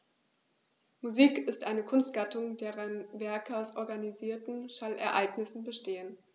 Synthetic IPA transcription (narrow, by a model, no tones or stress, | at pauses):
muziːkɪstʔaɪnəkʰʊnst̚ɡ̥atʊŋdeːʁənvɛɐkəaʊsʔɔɐɡaniziːɐtn̩ʃalʔɛɐʔaɪɡnɪsn̩bəʃteːən